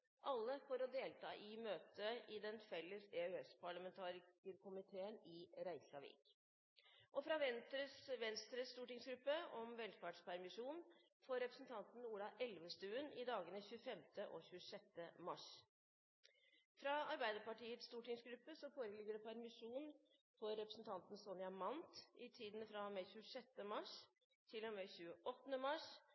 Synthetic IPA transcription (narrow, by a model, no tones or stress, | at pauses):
ʔɑlːəfɔɾɔd̪eːlt̪ʰɑːʔɪmøːt̪ʰəɪd̪ɛnfɛlːəseøɛspʰɑɭɑmɛnt̪ʰɑːɾɪkəɾkʰʊmɪt̪ʰeːənɪɾæɪçɑʋḭk | ʔɔfɾɑʋɛɾəʋɛnst̪ɾəst̪uːʈɪŋsɡɾʉpːəɔmʋɛlfɑːʈʂpʰæɾmɪʂuːn | fɔɾɛpɾəsn̩t̪ʰɑnt̪n̩uːɽɑʔɛlʋəst̪ʉːənɪd̪ɑːɡənəçʉːəfɛmt̪əʔɔ̰çʉːəʂɛt̪ːəmɑʂ | fɾɑːɑɾbæɪd̪əpɑʈiːət̪st̪uːʈɪŋsɡɾʉpːəsɔfoːɾəlɪɡəɖɛpʰæɾmɪʂuːn | fɔɾːɛpɾəsn̩t̪ʰɑnt̪n̩sɔnjɑmɑnt̪ʔɪt̪ʰiːd̪nfɾɑmɛçʉːəʂɛt̪ːəmɑʂ | t̪ʰɪlɔmɛçʉːəʔɔt̪ːənəmɑʂ